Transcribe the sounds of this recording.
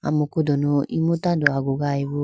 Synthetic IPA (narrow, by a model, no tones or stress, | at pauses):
a̰mũkudonõimutadoaɡoɣaiβo